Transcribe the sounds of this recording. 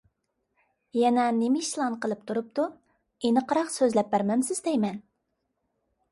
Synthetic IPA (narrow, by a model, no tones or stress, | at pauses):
jɛnɛnemɪʃlˠɑnqəlˠɨp̚t̪ʰuɾup̚t̪u | enɨqʰəɾɑqsøzlɛp̚bæɾmɛmsɪzd̪ɛjmɛn